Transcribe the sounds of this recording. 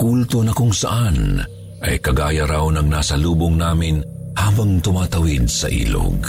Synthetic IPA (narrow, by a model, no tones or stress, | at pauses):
kult̪onɐkʊŋsɐʔan | ʔɐjkɐɡaːjɐɾawnɐŋnaːsɐluːbʊŋnaːmɪn | haːbɐŋt̪ʊmaːt̪ɐwɪd̪̚sɐ̰ʔḭːlo̰ɡ